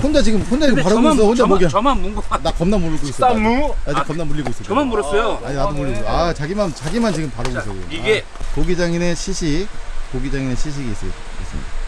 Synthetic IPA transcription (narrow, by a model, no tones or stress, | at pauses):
hond͡ʑat͡ɕiɡɯmhond͡ʑaiɡɯpaɾɯɡoɡes̬ʌhʰond͡ʑamoɡmanuŋɡnakʌmnamuɾɯɡoiss͈ʌat͡ɕikʌmnamuʎːiɡois͈ʌʌmanmuɾʌs͈ʌjoaɲinadomuɭːiɡoat͡ɕaɡimant͡ɕaɡimant͡ɕiɡɯmpaɾɯɡois͈ʌkɯ̰ḭe | koɡid͡ʑaŋine̞ɕʰiɕʰikoɡid͡ʑaŋineɕʰiɕ̬ʰiɡiːs͈ʌt | es͈ɯmɲida